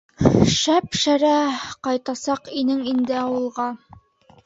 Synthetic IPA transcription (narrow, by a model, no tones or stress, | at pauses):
ʃæpʃæɾæqɑjt̪ɑsɑqinɘŋind̪ɘɑwɤ̆lˠʁɑ